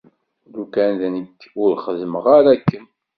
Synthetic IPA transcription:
ðukænðænəkːʊɾχəðməʁaɾækːən

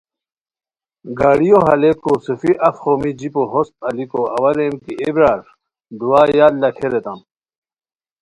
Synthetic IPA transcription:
ɡaːɽijoɦɐlekosufiʔɐfxoːmid͡ʑipoɦost̪ɐlikoɐ̰wɐɾemkiʔebɾaːɾ | d̪uwaːjaːllːɐkʰeɾet̪ɐm

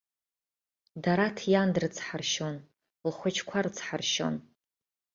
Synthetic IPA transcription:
daɾatʰjandɨrt͡sʰħarʃon | lχʷat͡ʃʰkʷʰart͡sʰħarʃo̞̰n

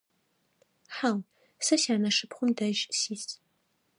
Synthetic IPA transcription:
ħaw | sɐsjaːnɐʂɨpχʷʊmdɐʒsiːs

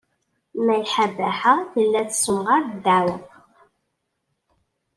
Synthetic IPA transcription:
mæjħabæħaθəlːæθsʊmʁaɾd̪awə

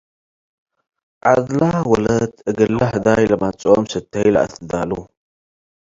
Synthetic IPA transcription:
ʕad̪lawɔlɐt̪ʰʔɨɡɐlːaħɨd̪ajlɐmat͡sʼomsɨt̪ʰːɐjlɐ̰ʔa̰t̪ɨd̪alu

